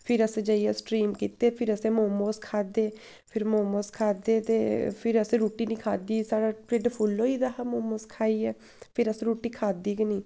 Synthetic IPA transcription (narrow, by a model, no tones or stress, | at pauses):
pʰɪɾəsẽːd͡ʒəiɛsʈɾiːmkiːt̪eːpʰɪɾəsẽːmoːmoːskʰaːd̪eː | pʰɪɾmoːmoːskʰaːd̪eːt̪eːpʰɪɾəsẽːɾuːʈiːnĩːkʰaːd̪iːsaːɽaːpɾɪɖpʰʊlːoːiːd̪aːɦaːmoːmoːskʰaːiːɛː | pʰɪɾəsẽːɾuːʈiːkʰaːd̪iːkniː